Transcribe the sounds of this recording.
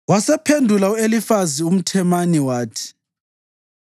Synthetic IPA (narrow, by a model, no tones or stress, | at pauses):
wasɛpʰendʱulauelifazium̩tʰɛmaniwaːtʰi̥